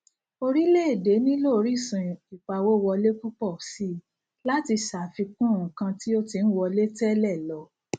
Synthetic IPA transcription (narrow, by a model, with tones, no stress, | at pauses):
o˧ɾi˦le˦e˦˨de˨˦nĩ˦lo˦˧ɾi˦˨sĩ˨i˨k͡pa˨wo˦˨wɔ˧le˦ku˦k͡pɔ˦˨si˦ | la˦ti˧sa˨fi˧kũ˦˨ũ˨kã˧ti˦o˦ti˧n̩˦wɔ˧le˦tɛ˦lɛ˦˨lɔ˨˦